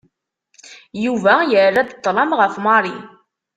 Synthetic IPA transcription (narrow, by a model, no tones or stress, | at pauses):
juvæjərːad̪ət̪ˤːlˤɑmʁəfmɑɾˤi